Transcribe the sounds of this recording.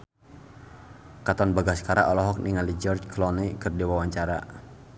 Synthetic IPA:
kat̪ɔnbaɡaskaɾa̰ʔɔlɔɦɔk̚niŋalid͡ʒɔrd͡ʒklɔnikɨrdiwawaɲt͡ʃaɾa̰

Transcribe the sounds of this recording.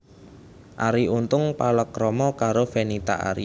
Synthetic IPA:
ʔaɾiʔunt̪ʊŋpaləkɾɔmɔkaɾofɛnit̪a̰ʔa̰ɾḭ

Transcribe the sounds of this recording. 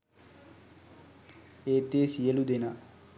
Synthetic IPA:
eːt̪ːeːsijəlud̪ena

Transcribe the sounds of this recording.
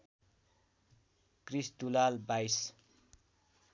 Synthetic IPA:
krist̪ulalbajs

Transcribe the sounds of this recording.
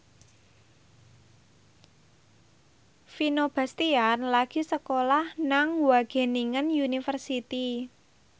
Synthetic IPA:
finob̥a̤st̪ianlaɡ̥i̤səkolahnaŋwaɡ̥e̤niŋənjunifərsit̪i

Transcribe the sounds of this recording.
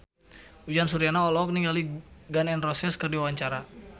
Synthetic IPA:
ud͡ʒansuɾianaɔlɔk̚niŋɡaliɡanɛnrɔsɛskərdiwawaɲt͡ʃaɾa

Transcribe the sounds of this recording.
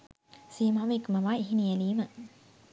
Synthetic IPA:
siːmaːʋekumɐʋaːiɦinijɐliːmə

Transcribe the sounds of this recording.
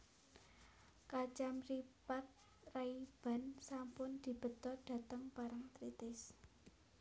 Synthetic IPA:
kat͡ʃamripat̪̚ | raib̥a̤nsampʊnd̪̥i̤b̥ə̤t̪ɔɖ̥ä̤t̪əŋpaɾaŋt̪ɾit̪ɪs

